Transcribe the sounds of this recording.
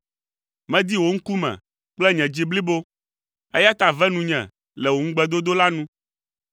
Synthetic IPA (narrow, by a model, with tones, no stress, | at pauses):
mɛ̃˦d̪i˦wo˨ŋ̩˦ku˦mɛ̰̃˨ | k͡plɛ˦ɲɛ̃˨d͡ʑi˦bli˦bo˦ | ɛ˦ja˦t̪a˨vɛ˦nũ˨ɲɛ̰̃˨ | lɛ˨wo˨ŋ̩˦ɡ͡bɛ˦d̪o˦d̪o˦la˦nũ˦